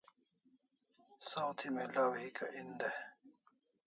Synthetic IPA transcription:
sawt̪ʰimelawɦikaʔind̪e

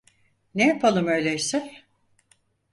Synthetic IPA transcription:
nejapʰalˠɯmø̞jlʲejsɪn

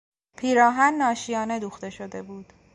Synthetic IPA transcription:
pʰiːɾɒːɦænːɒːʃijɒːne̞d̪uːxt̪e̞ʃo̞d̪e̞buːd̪̥

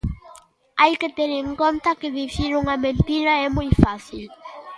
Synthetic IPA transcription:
ajkɪt̪eɾeŋkõnt̪akɪðifiɾuŋamẽnt̪iɾaɛmujfasil

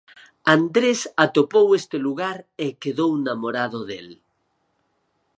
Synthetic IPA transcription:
and̪ɾesat̪opowest̪eluɣaɾekeðownamoɾaðoðḛl

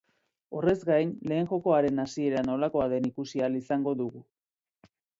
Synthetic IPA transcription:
o̞re̞zɡajnle̞ːŋʝo̞ko̞aɾe̞nasie̞ɾano̞lako̞aðe̞nikusialisaŋɡo̞ðuɣu

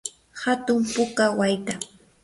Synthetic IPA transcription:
hat̪ʊmpʊkawajt̪a

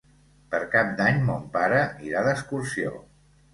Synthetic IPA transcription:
pəɾkap̚d̪aɲmɔmpaɾəiɾaðəskursio̰

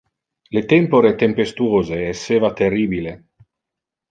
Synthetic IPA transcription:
let̪empoɾet̪empest̪uoːzeːsːeːvat̪erːiːbile

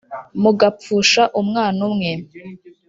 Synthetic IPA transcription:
muɡap͡fuːʃaʔumŋaːnumŋe

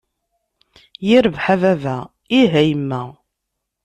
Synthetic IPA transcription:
jiɾəvħavævæ | iɦæjmːæ

